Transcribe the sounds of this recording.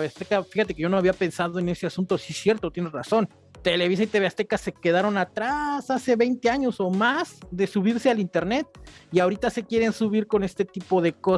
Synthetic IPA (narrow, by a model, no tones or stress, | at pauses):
βeast̪ekafixat̪e̞keʝo̞noaβiape̞nsaðo̞e̞ne̞se̞asũnt̪o̞sisje̞ɾt̪ot̪jeneraso̞n | t̪e̞le̞βis̬ait̪eβeast̪e̞kase̞ke̞ðaɾo̞nat̪ɾasase̞βe̞jnt̪e̞aɲo̞so̞masðe̞suβiɾse̞alint̪e̞ɾne̞t̪̚iaoɾit̪ase̞kje̞ɾe̞nsuβiɾko̞ne̞st̪e̞t̪ipo̞ð̞e̞ko̞